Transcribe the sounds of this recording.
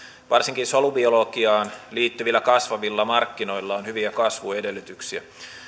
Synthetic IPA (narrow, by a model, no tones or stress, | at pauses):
ʋɑrsiŋkinsolubiolokiɑːnliːt̪ːyʋilːækɑsʋɑʋilːɑmɑrkːino̞ilːɑonhyʋiækɑsʋuede̞lːˑyt̪yksiæ̰